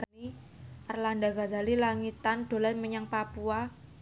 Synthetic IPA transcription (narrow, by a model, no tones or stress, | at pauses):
ri | ʔarlandaɡa̤zalilaŋit̪anɖ̥o̤lajməɲaŋpapua